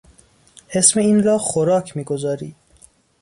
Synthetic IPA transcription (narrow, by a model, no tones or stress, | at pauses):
he̞smeiːnrɒːxoɾɒːcʰmiːɡo̞zɒːɾiːd̪̥